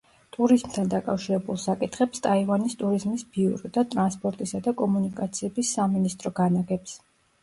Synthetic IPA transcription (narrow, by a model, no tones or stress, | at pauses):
t̪ʼuɾizmt̪ʰand̪akʼafʃiɾɛbulˠsakʼit̪ʰχɛpst̪ʼaivanist̪ʼuɾizmisb̥iuɾɔd̪at̪ʼɾanspʼɔɾt̪ʼisad̪akʼɔmunikʼat̪sʰiɛbisːaminist̪ʼɾɔɡanaɡɛps